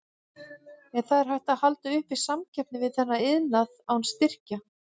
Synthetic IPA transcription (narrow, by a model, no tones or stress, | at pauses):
ɛnθaðɛɾ̥ɦajht̪aðhalt̪aʏhpisamcʰɛpnɪvɪðθɛnːaɪðnaðawnst̪ɪr̥ca